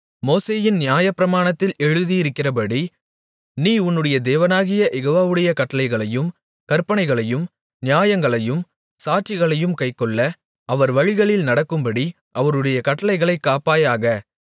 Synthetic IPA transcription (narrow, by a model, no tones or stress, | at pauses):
moːseːjɪnnɪjaːjɐpːɪɾɐmaːɳɐt̪ːɪlɛɻɯðijɪɾɯkːɪrɐpɐɽi | niːʊnːɯɽɐjɐd̪eːʋɐnaːɣɪjɐʔɛɣoːʋaːʋɯɽɐjɐkɐʈːɐlɐɪɣɐɭɐjɯm | kɐɾpɐnɐɪɣɐɭɐjɯm | nɪjaːjɐŋɡɐɭɐjɯm | saːt͡ʃːɪɣɐɭɐjɯmkɐɪkːɔɭːɐ | ɐʋɐɾʋɐɻɪɣɐɭɪlnɐɽɐkːɯmbɐɽi | ʔɐʋɐɾɯɽɐjɐkɐʈːɐlɐɪɣɐɭɐɪkːaːpaːjaːɣɐ